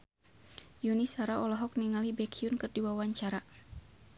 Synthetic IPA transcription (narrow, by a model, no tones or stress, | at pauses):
junisaɾaɔlɔɦɔkniŋalibɛkʰiunkɨrdiwawaɲt͡ʃaɾa